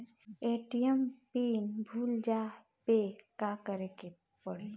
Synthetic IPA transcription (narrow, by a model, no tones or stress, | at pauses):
eʈiəmpinbʱuld͡ʒa | pekakəɾeke | pəɽe